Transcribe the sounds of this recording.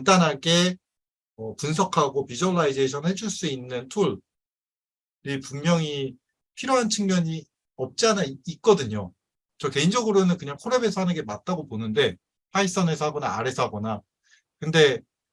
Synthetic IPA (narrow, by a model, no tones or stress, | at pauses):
antanɦaɡe̞ | ʌpuns̬ʰʌkʰaɡopid͡ʑʌɭːaide̞ɕʰʌnhe̞d͡ʑuɭs͈uinːɯntʰuɭ | ipuŋmjʌŋi | pʰiɾjoɦant͡ɕʰɯŋmjʌɲi | ʌp̚t͡ɕ͈ianaik͈ʌdɯɲo | t͡ɕʌke̞ind͡ʑʌɡɯɾonɯnkɯɲaŋkʰoɾebe̞sʰʌhanɯnɡe̞mat̚t͈aɡoponɯnde̞ | pʰais͈ʌnɦe̞sʰʌaɡʌnaa̰ɾe̞sʰʌɦaɡʌna | kɯnde̞